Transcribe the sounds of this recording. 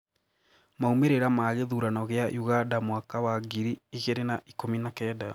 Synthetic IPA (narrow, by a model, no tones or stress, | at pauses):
maumeɾeɾamaɣeðuːɾanɔɣeaʔjuɣadamwakawaɡiɾiiɣeɾenaʔikominakɛːda